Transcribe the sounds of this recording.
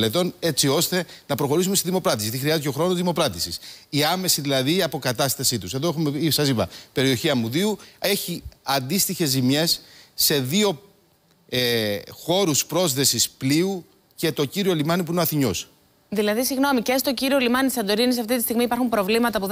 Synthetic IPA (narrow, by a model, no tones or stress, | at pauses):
let̪o̞ne̞t͡sio̞st̪e̞nɐpɾo̞xo̞ɾisumest̪iðimopɾɐt̪isiʝɐt̪ixɾiɐzceo̞xɾo̞noðimo̞pɾɐt̪isisiɐme̞siðilɐðiɐpo̞kɐt̪ɐst̪ɐsit̪use̞ðo̞exume̞isɐzipɐ̰pe̞ɾio̞çiɐmuðiue̞çiɐnd̪ist̪içe̞zimɲe̞sːe̞ðio̞ | exo̞ɾuspɾo̞zðe̞sispliu | ce̞t̪o̞ciɾio̞limɐnipuinoɐθiɲo̞s | ðilɐðisiɣno̞micest̪o̞ciɾiolimɐnisɐnd̪o̞ɾinis̬ɐft̪it̪ist̪iɣmiːpɐɾxumpɾo̞vlimɐt̪ɐpu